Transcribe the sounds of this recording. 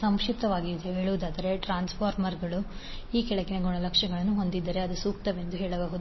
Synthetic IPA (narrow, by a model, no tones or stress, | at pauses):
sɐmʃit̪ɐʋaːɡid̪eɦeːɭuʋud̪aːd̪ɐɾe̞ʈɾaːnspʰaːɾmɐɾɡɐɭu | iːkɛɭɐkineɡoɳɐlɐkʂɐɡɐɭɐnːuɦo̞nd̪id̪ːɐɾe̞ɐd̪usuːkt̪ɐʋe̞nd̪uɦeːɭɐbaːɦud̪u